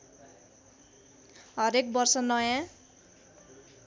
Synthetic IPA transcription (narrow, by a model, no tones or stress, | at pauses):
ɦʌɾek̚bʌrsʌnʌjã